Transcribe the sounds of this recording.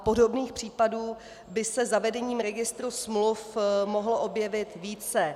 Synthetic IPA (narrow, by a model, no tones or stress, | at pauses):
po̞do̞bniːxpr̝̥iːpaduː | bɪsɛzavɛdɛɲiːmɾɛɡɪst̪ɾusmlufmoɦloʔo̞bjɛvɪt̪viːt͡sɛ